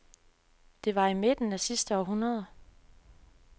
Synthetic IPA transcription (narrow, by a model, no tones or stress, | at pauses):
d̥e̝ʋɑ̈ime̝d̥n̩æsisd̥əɒɦunɐð̞ˠɐ